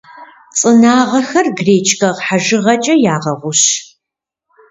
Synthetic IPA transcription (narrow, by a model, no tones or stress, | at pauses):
t͡sʼɨnaːʁɐxɐrɡreːt͡ʃʰkʰɐʁħaʒɨʁɐt͡ʃʼɐjaːʁɐʁʷʊɕ